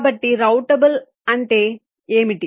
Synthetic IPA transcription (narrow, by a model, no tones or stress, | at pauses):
bɐʈːiɾɐʊʈɐbɐl | ɐ̃ɳʈeː | eːmiʈːi